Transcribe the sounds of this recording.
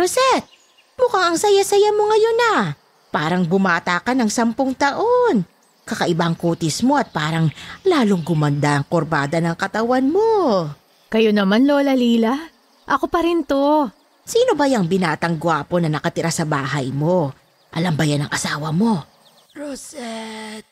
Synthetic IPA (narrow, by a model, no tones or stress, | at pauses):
ɾosɛt̪̚ | mʊkaŋɐŋsɐjasɐjamo̞ŋɐjo̞nɐ | paːɾɐŋbʊmaːt̪aːkɐnɐŋsɐmpoŋt̪ɐʔo̞n | kɐkɐʔɪbaʔɐŋkuːt̪ɪsmo̞ɐt̪̚paːɾɐŋlaːlo̞ŋɡʊmɐnd̪aʔɐŋkoɾbaːd̪ɐnɐŋkɐt̪ɐwanmo̞ | kɐjonɐmanloːlɐliːlɐ | ʔɐko̞pɐɾɪnt̪o | siːno̞bɐjɐŋbɪnaːt̪ɐŋɡʊaːpo̞nɐnɐkɐt̪ɪɾasɐbaːɦɐjmo̞ | ʔɐlɐmbɐjanɐŋʔɐsaːwɐmo̞ | ɹosɛt̪̚